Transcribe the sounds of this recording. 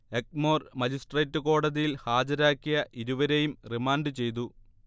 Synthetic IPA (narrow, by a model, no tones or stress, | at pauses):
ek̚mo̞ːrmɐd͡ʑisʈreːtːɨko̞ːɽɐðijilhaːd͡ʑɐɾaːkːijɐʔiɾuʋɐɾejumrimaːɳɖɨt͡ɕe̞jt̪̬u